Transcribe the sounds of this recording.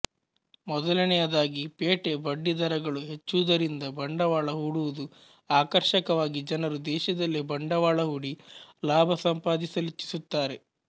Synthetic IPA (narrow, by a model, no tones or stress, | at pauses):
mɔd̪ɐlɐnɛjɐd̪aːɡipeːʈe̞bɐɖːid̪ʱɐɾɐɡɐɭuɦet͡ʃːuːd̪ɐɾind̪ɐbɐɳɖɐʋaːɭɐɦuːɽuʋud̪u | aːkɐɾʃɐkɐʋaːɡid͡ʒɐnɐɾud̪ɛːʃɐd̪ɐlːibɐɳɖɐʋaːɭɐɦuːɽilaːbʱɐsɐmpaːd̪isɐlit͡ʃːi̥sut̪ːaːɾe̞